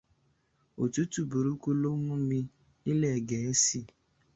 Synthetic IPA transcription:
o˨tu˦tu˦˨bu˨ɾu˦ku˦lo˦mũ˦mi˧ | i˦le˦˨ɡe˨e˦si˦˨

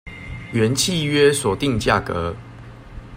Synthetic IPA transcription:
ɥɛ˨˦nt͡ɕʰi˥˨ɥɛ˦swɔ˨˩t̪i˥˨ŋt͡ɕja˥˩kə̰˨˦

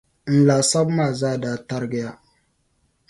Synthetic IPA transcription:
n̩˨laː˨sa˦bmaː˦˨zaː˦˨daː˦˨ta˦ɾɡɪ˦ja˦

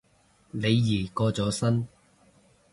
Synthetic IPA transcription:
ne˨˧jːiː˨˩kɔː˧t͡sɔː˨˥sɐ˥n

